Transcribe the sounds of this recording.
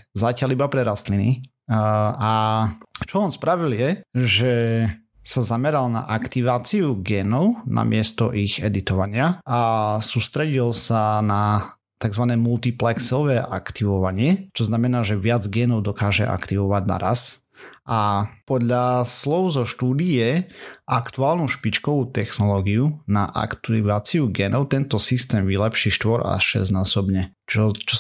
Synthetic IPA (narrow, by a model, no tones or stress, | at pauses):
zacalibapɾɛɾast̪lini | a | t͡ʃɔɔːnspɾaʋiljɛʒɛ | sazamɛɾalna̰ʔakt̪iʋaːt͡siuɡɛːnɔʊnʔa̰mɪɛst̪ɔ̰ʔiɣɛd̪it̪ɔʋaɲɪaasuːst̪ɾɛɟilsana | t̪aɡzʋanɛːmult̪iplɛksɔʋɛːʔa̰kt̪iʋɔʋaɲɪɛt͡ʃɔznamɛnaːʒɛʋɪad͡zɡɛːnɔʊd̪ɔkaːʒɛ̰ʔa̰kt̪iʋɔʋaɟna̰ɾa̰s | ʔapɔd̪ʎaslɔʊzɔʃt̪uːd̪ijɛʔakt̪uaːlnuʃpit͡ʃkɔʋuːt̪ɛxnɔlɔːɡiunaʔa̰kt̪iʋaːt͡siuɡɛːnɔʊt̪ɛnt̪ɔsist̪ɛːmʋilɛpʃiːʃt̪ʋɔɾa̰ʃɛ̰znaːsɔbɲɛt͡ʃɔt͡ʃɔ